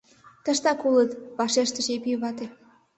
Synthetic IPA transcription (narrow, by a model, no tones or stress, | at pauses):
t̪ə̆ʃt̪ɑkulət̪βɑʃeʃt̪ə̆ʃepijəβɑt̪e